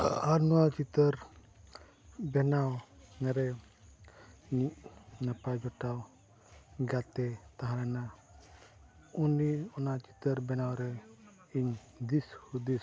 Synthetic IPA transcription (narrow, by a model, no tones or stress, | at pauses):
aɾnuwat͡ʃit̪əɾ | bɛnawnɛɾɛ | niʔnapad͡ʒɔʈaw | ɡat̪ɛt̪aɦãɾɛna | uniɔnat͡ʃi̥t̪əɾbɛnawɾɛ | iɲ | d̪ishud̪is